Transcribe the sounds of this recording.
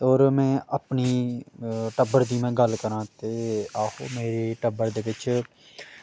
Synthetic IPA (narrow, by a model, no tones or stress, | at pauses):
oːɾmɛ̃ːʔəpniː | ʈəbəɾd̪iːmẽːɡəlkəɾãːt̪eːaːho̰ːmeːɾeːʈəbəɾd̪eːʋɪt͡ʃ